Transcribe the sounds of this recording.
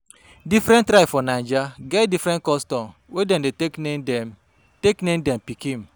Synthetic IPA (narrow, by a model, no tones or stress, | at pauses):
difɾɛ̃ntɾaɪfɔnand͡ʒaɡɛtdifɾɛ̃nt̚kɔstɔm | wedɛ̃mdetekne | teknẽndɛmpikĩn̩